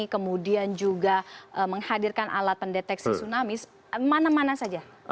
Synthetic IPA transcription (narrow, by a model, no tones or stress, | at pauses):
ikəmudiand͡ʒuɡaʔəməŋhadirkanʔa̰lat̪̚pəndet̪ɛksisunamis | manamanasad͡ʒa